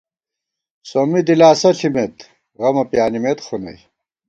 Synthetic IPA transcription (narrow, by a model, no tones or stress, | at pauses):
somid̪ilaːsɐɬʰimet̪ | ɣɐmɐpjaːnimet̪χunɐ̰j